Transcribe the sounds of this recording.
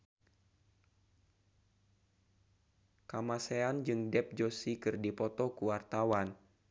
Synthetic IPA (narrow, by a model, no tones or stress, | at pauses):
kamaseand͡ʒɨŋdɛp̚d͡ʒosikɨrdipɔt̪ɔkuwart̪awan